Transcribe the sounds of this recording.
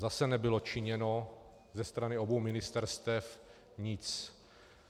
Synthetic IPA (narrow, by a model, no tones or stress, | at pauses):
zasɛnɛbɪlot͡ʃɪɲɛno̞ | zɛst̪ɾanɪo̞bowmɪnɪst̪ɛɾst̪ɛf | ɲɪt͡s